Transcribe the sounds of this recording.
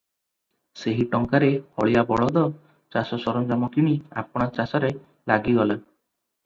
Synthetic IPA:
seɦiʈɔŋkaɾehɔɭijabɔɭɔd̪ɔ | t͡ʃasɔsɔɾɔnd͡ʒamɔkiɽ̃ia̰pɔɽ̃at͡ʃasɔɾe | laɡiɡɔla

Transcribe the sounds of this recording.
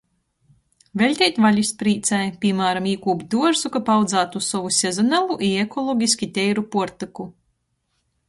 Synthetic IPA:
vʲelʲt̪ʲɛjt̪ʲvalʲispɾiːt̪sajpʲiɛmaːɾamiːkuːbd̪uɔɾsukapawd̪zaːt̪ussɔvusʲezɔnalˠuʔiekɔlˠɔɡʲiskʲit̪ʲɛjɾupuɔɾt̪ɨku

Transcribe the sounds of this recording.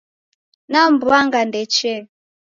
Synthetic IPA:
nambuaŋɡandɛt͡ʃɛ

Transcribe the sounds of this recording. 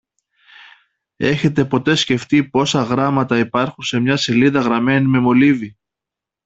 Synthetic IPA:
e̞çe̞t̪e̞po̞t̪e̞sce̞ft̪ipo̞sɐɣɾɐmɐt̪ɐipɐɾxunse̞mɲɐse̞liðɐɣɾɐme̞nime̞mo̞livi

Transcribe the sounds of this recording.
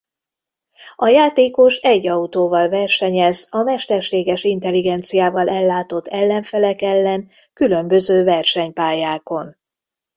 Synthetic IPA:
ɒjaːt̪eːko̞ʃɛɟːɒut̪oːvɒlvɛrʃɛɲɛzɒmɛʃt̪ɛrʃeːɡɛʃint̪ɛliɡɛnt̪sijaːvɒlʔɛlːaːt̪o̞t̪ʰːɛlːɛɱfɛlɛkɛlːɛn | kylø̞mbøzøːvɛrʃɛɲpaːjaːko̞n

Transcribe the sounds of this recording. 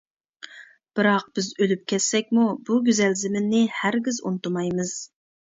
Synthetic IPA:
b̥ɨɾɑq̚b̥ɪzølyp̚kʲʰɛsːɛkʲmubuɡʲyzɛlzɪmɪnːɪhæɾɡʲizṵnt̪umɑjmɨz̥

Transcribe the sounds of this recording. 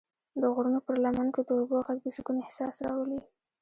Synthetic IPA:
d̪əɣʊɾunopəɾlamanked̪əoboɣak̚d̪əsukunɪhsɑsɾɑwəli

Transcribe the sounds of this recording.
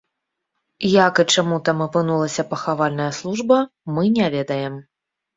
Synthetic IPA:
jakɨt͡ʂamut̪amɐpɨnulˠɐsʲɐpɐxavalʲnɐjɐslˠuʐbɐmɨnʲavʲɛd̪ɐjɛm

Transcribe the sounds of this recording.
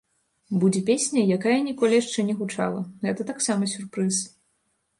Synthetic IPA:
bud͡zʲɛpʲesʲnʲɐjakajɐnʲikɔlʲijaʂt͡ʂɛnʲɛɣut͡ʂa̰lˠɐ̰ɣɛt̪ɐt̪aksamɐsʲurpɾɨs

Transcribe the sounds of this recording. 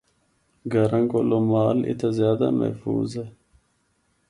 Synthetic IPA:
ɡɐɾɐŋɡolomaːlḭt̪ʰɐzjaːd̪a̰mɐ̰hfṵːze

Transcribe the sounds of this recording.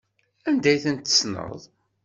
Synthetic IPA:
ænd̪æjθənt̪ːə̥snə̰ðˤ

